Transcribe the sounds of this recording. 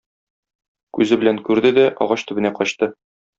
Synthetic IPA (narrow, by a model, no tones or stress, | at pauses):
kʉzɘbɘ̆læŋkʉɾd̪ɘd̪æʔɒ̰ʁɑɕt̪ɵ̆bɘ̆næqɒɕt̪ɤ